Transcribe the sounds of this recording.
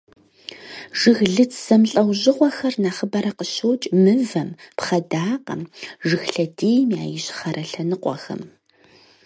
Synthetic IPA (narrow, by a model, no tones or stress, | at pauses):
ʒ̥ɨɣɮɨt͡sʰsɐmɬʼɐwʑɪqʷɔxɐrnaːχəbɐɾɐqəɕoːt͡ʃʼmɨvɐmpχɐdaːqɐ̰mʒɨxɬɐdeːjmjaːjɪɕχɐɾɐɬɐnɨqʷʼɔ̰xɐ̰m